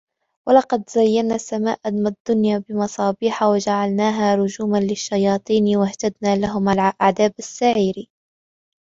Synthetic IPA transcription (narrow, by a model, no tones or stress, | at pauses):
walɑqɑd̪zajːanːaːsːamaːʔad̪mad̪ːʊnjaːbɪmɑsˤɑːbiːħawad͡ʒaʕalnaːɦaːɾʊd͡ʒuːmanlɪʃːajɑːt̪ˤiːnwaht̪ad̪naːlaɦʊmalʔaʕd̪aːbasːaʕiːɾi